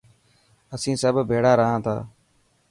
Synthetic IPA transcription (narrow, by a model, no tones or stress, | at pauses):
əsĩːsəbʱbʱeːɽaːɾəɦãːt̪ʰa̰ː